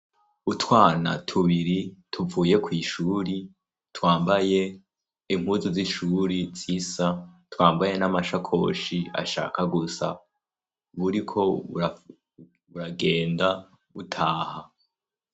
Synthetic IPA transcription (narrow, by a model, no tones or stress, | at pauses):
utwaːna̰tʰuβiɾitʰuvuːje̞kwiːʃuːɾi | twaːmbaje̞ | im̥huzuziʃuːɾiz̥isatwaːmbaje̞namaʃakʰo̞̰ːʃia̰ʃa̰ːkaɡusa̰ | βuɾikʰo̞ua | βuɾaɡe̞ːnda | βutʰaːha